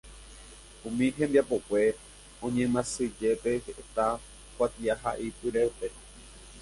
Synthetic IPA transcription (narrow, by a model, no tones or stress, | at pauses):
ũmĩɦẽ̞mbiapo̞kʷe̞ | õɲẽmãsɨd͡ʒe̞pe̞heʔet̪a | kʷat̪iaɦa̰ʔipɨɾewpe